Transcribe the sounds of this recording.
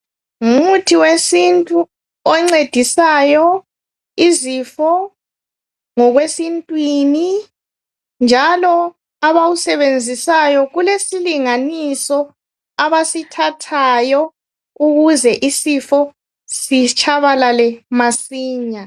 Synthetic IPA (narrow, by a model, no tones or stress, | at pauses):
ummutʰiwesintʼu | ɔŋ͡ǀed̥ʱisajɔ | izifɔ | ŋɔɣwesintʼwini | nd͡ʒʱalɔ | aβawusɛβend͡zʱisajɔɣulesiliŋanisɔ | aβasitʰatʰajɔ | uɣuzɛʔisifɔ | sit͡ʃʰʼaβalalɛmasiːɲa